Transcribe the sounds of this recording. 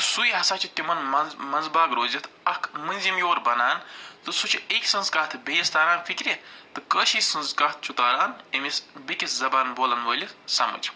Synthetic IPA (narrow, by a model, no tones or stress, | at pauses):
sujɦɐsaːt͡ʃʰit̪imɐnɐzmɐnzbaːɡɾoːzit̪ʰɐkʰmɨnʲzimjoːɾbɐnaːnt̪ɨsut͡ʃʰiekʲsɨnzkaːt̪ʰbeːst̪aːɾaːnfʰikɾʲit̪ɨkəːʃiːsɨnzkaːt̪̚ʰt͡ʃʰut̪aːɾaːnimisbikʲiszɐbaːnboːlɐnʋəːlʲisɐmɐ̰d͡ʒ